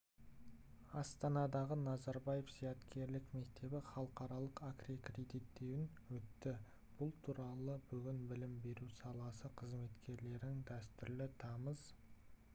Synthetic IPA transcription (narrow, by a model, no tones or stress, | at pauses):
ɑst̪ɑnɑd̪ɑʁənɑzɑɾbɑje̞fz̥ijɑt̪kʲʰe̞ɾlɪkme̞kt̪e̞bɪχɑlˠəqɑɾɑlˠəqakrikred̪ijt̪ːe̞wɪn | wɵt̪ːɪ | b̥ʊlˠt̪ʰuɾɑlˠəbʏɡʲɪnbɪlɪmbe̞ɾusɑlˠɑsəqʰəzme̞t̪kʲʰe̞ɾle̞ɾɪŋd̪æst̪ʏɾlɪt̪ʰɑməz̥